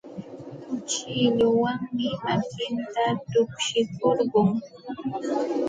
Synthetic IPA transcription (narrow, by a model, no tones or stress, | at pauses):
t͡ʃɪʎʊwaŋmɪmakɪnt̪at̪ʊkʃɪkoɾɢʊŋ